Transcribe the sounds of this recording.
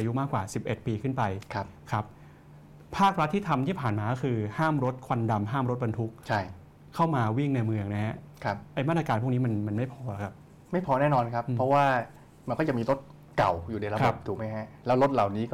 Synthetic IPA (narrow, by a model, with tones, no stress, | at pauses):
ʔaː˧ju˦˥maː˥˩kwaː˨˩si˨˩p̚ʔe˨˩t̪̚piː˧kʰɯ˥˩npa˧jʰa˦˥kʰa˦˥p̚ | pʰaː˥˩k̚ɾa˦˥t̪ʰːiː˥˩t̪ʰa˧mt̪ʰiː˥˩pʰaː˨˩nmaː˧kɔ˥kʰɯː˧haː˥˩mɾo˦˥t̪̚kʰwa˧nda˧mɦaː˥˩mɾo˦˥t̪̚ba˧nt̪ʰu˦˥k̚t͡ɕʰa˥˩j | kʰːa˥˩wmaː˧wi˥˩ŋna˧jmɯ˧əŋna˦˥ɦɛ˦˥ʔ | kʰa˦˥p̚ʔa˧jmaː˥˩t̪ɾa˧aː˧n̚pʰu˥˩kni˦˥ma˧nma˧nma˥˩jpʰɔː˧la˨˩kʰa˦˥p̚ | ma˥˩jpʰɔː˧nɛː˥˩nɔː˧nkʰa˦˥pːʰɾɔ˦˥waː˥˩ | ma˧nkɔː˥˩t͡ɕa˨˩miː˧lo˦˥t̪̚ | ka˨˩wjuː˨˩na˧jɾa˧bo˨˩p̚t̪ʰuː˨˩ma˦˥jɦɛ˦˥lɛː˦˥wlo˦˥t̪̚la˨˩wniː˦˥kɔ˥